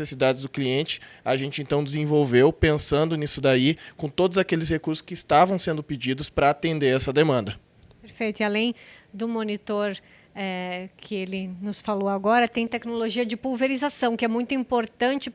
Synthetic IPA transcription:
sesid̪ad͡ʒ̪ɪzd̪ʊkliẽnt͡ʃɪ̥aʒẽnt͡ʃɪẽnt̪ɐ̃w̃d̪ɪzẽvowvewpẽsɐ̃nd̪ʊnisʊd̪aikõt̪od̪ʊzakelɪshekuɾsʊ̥skɪːst̪avɐ̃w̃sẽnd̪ʊpid͡ʒid̪ʊspɾɐat̪ẽnd̪eɾɛsɐd̪emɐ̃nd̪ɐ | peɾfejt̪ʊialẽj̃d̪ʊmonit̪oɾ | ɛkʰɪelɪnʊsfaloaɡɔɾɐt̪ẽj̃t̪ɛknoloʒiɐd͡ʒɪpulveɾizasɐ̃w̃kɪɛmũj̃t̪ʊĩmpoɾt̪ɐ̃nt͡ʃɪ

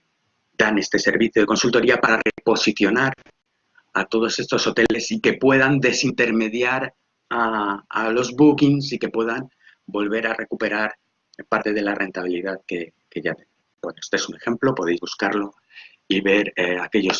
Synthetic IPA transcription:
d̪ane̞st̪e̞se̞ɾβiθjo̞ð̞e̞ko̞nsult̪o̞ɾiapaɾare̞po̞siθjo̞naɾ | at̪o̞ð̞o̞se̞st̪o̞so̞t̪e̞le̞sike̞pwe̞ð̞and̪e̞sint̪e̞ɾme̞ðjaɾ | aalo̞zβukinsike̞pwe̞ðan | bo̞lβe̞ɾare̞kupe̞ɾaɾ | paɾt̪e̞ð̞e̞lare̞nt̪aβ̞iliðaðke | keʝat̪ene | bwe̞noest̪oe̞sune̞xe̞mplo̞po̞ð̞ejzβuskaɾlo̞ | iβe̞ɾake̞ʎo̞s

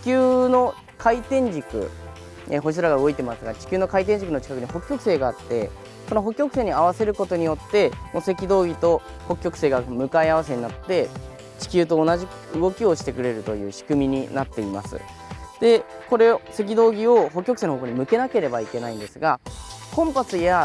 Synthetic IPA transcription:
t͡ɕi̥kʲɨːno̞ | kʰait̪ẽ̞ɲd͡ʑikɯ̟̰ | eɦois̬ɨɾaɡaɯɡoit̪emasɨɡat͡ɕi̥kʲɨːno̞kait̪̬ẽ̞ɲ̟d͡ʑikɯnot͡ɕi̥kakɯ̟ɲ̟iho̞kʲjo̞kɯ̟se̞ːɡaat̪ːe̞ | so̞noɦo̞kːʲjo̞kɯ̟se̞ːɲ̟iaβ̞ase̞ɾɯ̟ko̞t̪o̞ɲ̟ijo̞t̪ːe̞mose̞kʲid̪o̞ːɡʲit̪o̞ | ho̞kʲjo̞kɯ̟̥se̞ːɡamɯ̟kaiaβ̞ase̞ɲ̟inat̪ːe̞ | t͡ɕi̥kʲɨːt̪̬o̞ːnaʑi | ɯ̟ɡo̞kʲio̞ɕi̥t̪e̞kɯ̟ɾe̞ɾɯ̟t̪o̞jɯ̟̰ːɕi̥kɯ̟mʲiɲ̟inat̪ːe̞ima̰sɨ̰ | d̪e̞ | ko̞ɾe̞se̞k̬ʲid̪o̞ːɡʲio̞ɦo̞k̬ːʲjokɯ̟̥seːnookoɲ̟imɯ̟ke̞nake̞ɾe̞baike̞naĩnd̪e̞sɨɡa | kõ̞mpasɨja

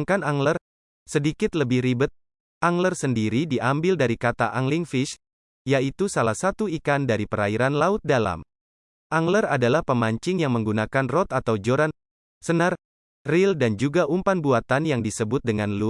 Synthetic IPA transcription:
ŋkanaŋlər | sədikɪt̪ləbɪhɾibət̪̚ | aŋlərsəndiɾidiʔambɪldaɾikat̪a̰ʔaŋliŋfiʃ | jait̪usalahsat̪uikandaɾipəɾaiɾanlaʊt̪̚dala̰m | ʔaŋləradalahpəmaɲt͡ʃɪŋjaŋməŋɡunakanrɔt̪at̪awd͡ʒoɾan | sənar | rɪldand͡ʒuɡaʔumpanbuat̪anjaŋdisəbʊt̪̚dəŋanlu

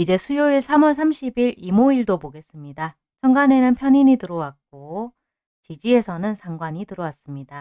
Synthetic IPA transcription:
id͡ʑe̞sʰujoiɭsʰamʌɭsʰamɕʰibiɾimoiɭdopoɡe̞s͈ɯmɲida | t͡ɕʰʌŋɡane̞nɯnpʰjʌɲiɲitɯɾʌwak̚k͈̚o | t͡ɕid͡ʑie̞sʰʌnɯnsʰaŋɡwaɲitɯɾʌwas͈ɯmɲida

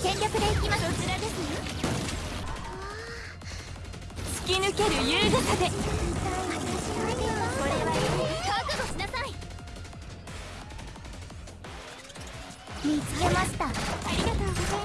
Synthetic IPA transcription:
kẽ̞ŋkʲakɯ̟d̪e̞ikʲimasot͡ɕiɾad̪e̞sɨjo | a | t͡sɨ̥kʲinɯ̟ke̞ɾɯ̟jɯːɡakad̪e̞ | maɕiaet̪eimaβaɾeβaɾekaːk̪ɯɡ̪oɕinasai | mʲit͡sɨɡe̞maɕi̥t̪aaɾʲiɡat̪oː

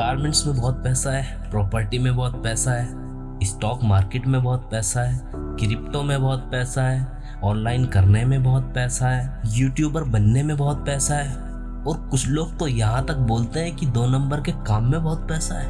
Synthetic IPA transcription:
ɾpaːɾmẽɳʈsmẽbɔːt̪̚pɛːsaɦɛː | pɾɔːpəɾʈimẽbɔːt̪̚pɛːsaɦɛː | ɪsʈɔːkmaːɾkeːʈmẽbɔːt̪̚pɛːsaɦɛː | kɾɪp̚ʈõmẽbɔːt̪̚pɛːsaɦɛː | ɔːnlaːɪnkɐɾnemẽbɔːt̪̚pɛːsaɦɛːjuːʈjuːbəɾbɐnːemẽbɔːt̪̚pɛːsaɦɛː | ɔːɾkʊt͡ʃʰloːɡ̚t̪ojɐɦãt̪ɐk̚boːlt̪eɦɛ̃kid̪oːnɐ̃mbəɾkekaːmːẽbɔːt̪̚pɛːsaɦɛː

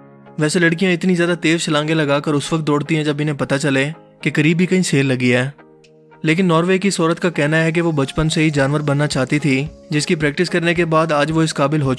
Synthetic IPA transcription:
ʋɛːselɐɽkijãɪt̪nizjaːd̪at̪eːzt͡ʃɐlãːŋɡelɐɡaːkəɾʊsʋək̚t̪̚d̪oːɽt̪iɦɛ̃d͡ʒɐbɪnẽpɐt̪at͡ʃɐle | kekɐɾiːbɦikɐĩseːlːɐɡiɦɛː | leːk̬ɪnːɔːɾʋeːkisoːɾət̪kakɛɦnaɦɛk̬eʋobɐt͡ʃpənseɦid͡ʒaːnʋəɾbɐnːat͡ʃaːt̪it̪ʰid͡ʒɪskipɾɛːk̚ʈɪskɐɾnek̬ebaːd̪aːd͡ʒʋoɪskaːbɪlɦo

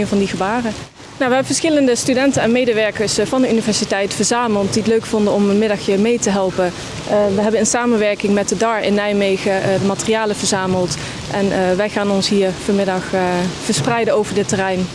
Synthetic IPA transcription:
nvɑndiɣəbaːrə | nowʋəɦɛbəvəɹsxɪləndəstydɛntənɛnmejdəʋɛɹkəɹsvɑndəynivɛɹsitɛjtfəɹzaːməlˠtdiətløɥkfɔndəɔməmɪdɑxjəɹmejtəɦɛlˠpə | ʋəɦɛbənənsaːmənʋɛɹkɪŋmɛt̚dədɑɹɪ̰nːɛjmejɣədəmaːtərijaːləvəɹzaːməlˠt | ʔɛnʋɛjχaːnɔnsɦiːɹfəɹmɪdɑxfəɹsprɛjdəowvəɹdɪtərɛjn

